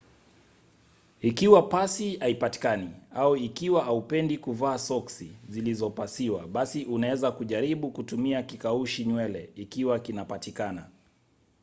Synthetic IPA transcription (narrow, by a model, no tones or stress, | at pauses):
ikiwapasihaipati̥kaniauikiwaʔaupɛndikuvaːsɔksizilizɔpasiwa̰ɓasiʔunaɛzakuʄaɾiɓukutumiakikauʃiɲwɛlɛikiwakinapatikana